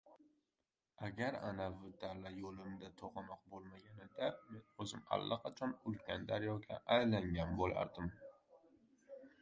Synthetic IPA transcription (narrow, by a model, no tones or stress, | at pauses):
aɡʲaɾa̰navʊd̪aɾlajolɪmd̪at̪ʰoqɑnɒq̚bolˠmaɡʲanɪd̪amenɵzɪma̰lˠːaqʰɑt͡ʃʰɒnʊlkʲand̪aɾjɒkʲʰa̰ʔajlaŋɡʲanbola̰ɾd̪ɪm